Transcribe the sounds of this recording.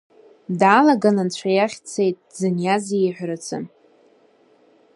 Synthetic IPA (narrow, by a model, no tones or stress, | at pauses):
daːlaɡanant͡ɕʷʰajaχʲt͡sʰe̞jtʼzɨnjazijħʷɾat͡sʰɨ̰n